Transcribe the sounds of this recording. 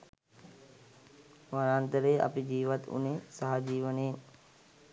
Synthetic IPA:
ʋaɾaːnt̪əɾejʔa̰pid͡ʒiːʋat̪ṵnesaɦad͡ʒiːʋənəjen

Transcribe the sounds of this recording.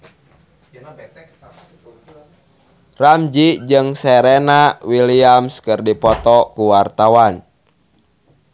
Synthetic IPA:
ramd͡ʒid͡ʒɨŋsɛɾɛnawiliamskɨrdipɔt̪ɔkuwart̪awan

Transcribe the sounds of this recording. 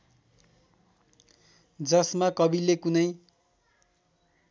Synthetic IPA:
d͡zʌsmakʌbilekunʌj

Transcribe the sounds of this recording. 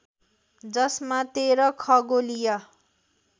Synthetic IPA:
d͡zʌsmat̪eɾʌkʰʌɡolijʌ

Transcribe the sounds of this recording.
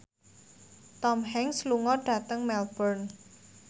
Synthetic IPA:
t̪ɔmɦɛŋsluŋɔɖ̥ä̤t̪əŋmɛlb̥ɔrn

